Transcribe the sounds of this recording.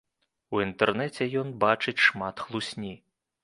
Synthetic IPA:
uint̪ɛrnɛt͡sʲɛjɔnbat͡ʂɨt͡sʲʂmat̪xlˠusʲnʲi

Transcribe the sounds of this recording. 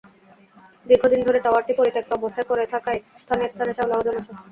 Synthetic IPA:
d̪iɾɡʱod̪ind̪ʱoɾeʈ̪awaɾʈipoɾiʈ̪ek̚ːɔbost̪ʰajkoɾet̪ʰakajst̪ʰaneɾst̪ʰaneʃablaɦod̪onaʃa

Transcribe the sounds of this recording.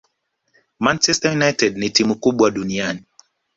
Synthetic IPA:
mant͡ʃɛstajunajtɛdnitimukuɓwaɗuniani

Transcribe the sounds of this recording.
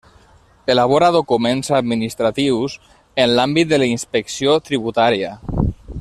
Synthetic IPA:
elaβoɾaðokumẽnsad̪minist̪ɾat̪iwz | enlambit̪̚d̪əlainspeksiot̪ɾiβut̪aɾia

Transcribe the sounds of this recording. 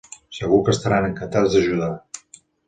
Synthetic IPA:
səɣukəst̪aɾanəŋkənt̪azd̪əʒuða

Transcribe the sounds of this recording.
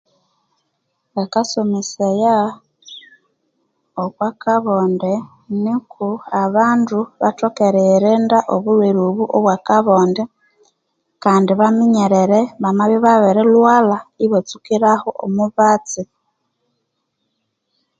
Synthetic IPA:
βakasomiseja | okwakaβonde | nikʰuaβaːnduβa̰tokeɾeɾendaʔoβuɾweɾuβuʔo̰βwakaβonde | kaːndiβamiɲeɾeɾeβamaβiβaβeɾelwalaiβot͡sukiɾahoʔo̰muβat͡si

